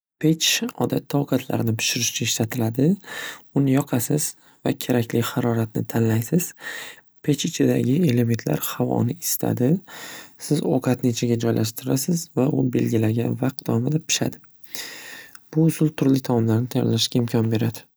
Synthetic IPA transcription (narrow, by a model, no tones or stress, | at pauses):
pʰe̞t͡ʃɒ̰d̪at̪ʰːɒwqɑt̪ʰla̰ɾnɪpɪ̥ʃɪɾɪʃt͡ʃʰaɪʃlat̪ʰɪlad̪ɪʊnɪjɒqʰɑsɪz̥ | vakʲʰe̞ɾakʲlɪhaɾɒɾat̪̚nɪ̰t̪ʰanlajsɪz̥ | pʰe̞t͡ʃɪt͡ʃʰɪd̪a̰ɡʲɪe̞le̞me̞nt̪ʰla̰ɾhavɒ̰nɪɪst̪ʰa̰d̪ɪsɪzoqʰɑt̪net͡ʃʰaɡʲad͡ʒɒjlʔaʃt̪ɪɾasɪzvaʔʊbe̞lɡʲɪlaɡʲa̰nvaq̪̚ːɒmad̪apʰɪ̥ʃa̰d̪ɪ | b̥ʊʊsʊlˠt̪ʰʊɾlɪt̪ʰɒmɒmlaɾnɪt̪ʰajɒ̰ɾlaʃɡʲaɪmkʲʰɒnbe̞ɾad̪ɪ